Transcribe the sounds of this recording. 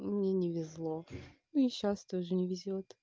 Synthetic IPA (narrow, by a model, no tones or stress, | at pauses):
mnʲenʲɪvʲɪzlˠonuiɕast̪oʐɨnʲɪvʲɪzʲot̪